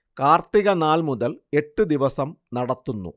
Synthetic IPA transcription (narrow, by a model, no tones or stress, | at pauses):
kaːrt̪iɣɐnaːlmuðɐle̞ʈːɨd̪iʋɐsɐmnɐɽɐt̪ːunːṵ